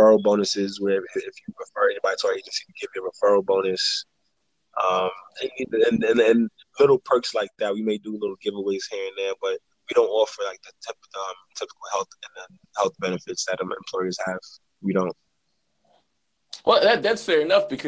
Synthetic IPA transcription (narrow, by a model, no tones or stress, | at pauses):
fɜ˞l̩ˠbõʊ̃nɨsɪzwə˞ɪfjɨpɹɨfɜ˞ɛnibɑɾitʰajɨd͡ʒʌstiɡ̥ɪvɨ̃məfɜ˞l̩ˠbõʊ̃nɨs | ʔʌ̃meɪniɨ̃nɨ̃nɨ̃n | lɪɾl̩ˠpʰɜ˞kslaɪk̚ðæt̚wimeɪdɨlɪɾl̩ˠɡɪvəweɪz̥hiɹɨ̃nðə˞b̥ʌt̚ | wiɾõʊ̃ntɔfə˞laɪk̚ðɨtʰapʌʌ̃mtʰɪpə̥kl̩ˠhɛlˠθɨ̃nðɨ | hɛlˠθb̥ɛnɨfɨtsðɨɾʌ̃mɨ̰̃mpʰl̥ɔɪə˞z̥həv̥ | wiɾõʊ̃nt̚ | wʔɛlˠðæt̪̚ðætsfɛɹɨnʌfb̥ɨkʰ